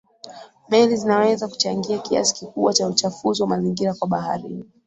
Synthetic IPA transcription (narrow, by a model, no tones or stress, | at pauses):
mɛlizinawɛzaku̥t͡ʃaŋɡiakia̰si̥kikuɓwat͡ʃaut͡ʃafuziwamaziŋɡiɾakwaɓaha̰ɾḭni